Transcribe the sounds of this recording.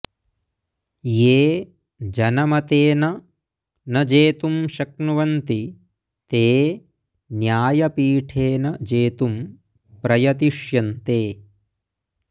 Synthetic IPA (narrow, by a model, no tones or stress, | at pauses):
jeː | d͡ʒɐnɐmɐt̪eːnɐ | nɐd͡ʒeːt̪umʃɐk̚nuʋɐnt̪i | t̪eː | njaːjɐpiːʈʰeːnɐd͡ʒeːt̪um | pɾɐjɐt̪iʂjɐnt̪eː